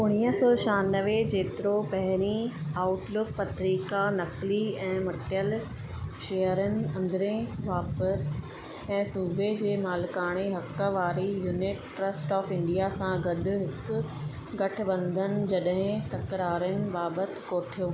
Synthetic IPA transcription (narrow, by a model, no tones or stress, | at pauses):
ʊɽ̃ijəsɔːʃaːnəʋed͡ʑeːt̪ɪɾopɐɦɪɾiaːʊʈlʊk̚pɐt̪ɾiːkanɐkliɛ̃ːmɐʈjəl | ʃeːəɾənɪ̆ɐ̃nd̪ɪɾẽʋaːpəs | ɛ̃ːsuːbed͡ʑeːmaːlkaːɽ̃eɦɐkːəʋaːɾijuːnɪʈːɾəsʈɔːfɪ̃ɳɖijasãɡɐɗʊ̆ɦɪkʊ | ɡɐʈʰɪ̆ʋɐ̃nd̪ʱənɪ̆d͡ʑɐɗɦɪ̃t̪ɐkɾaːɾənɪ̆baːbət̪koːʈʰijoː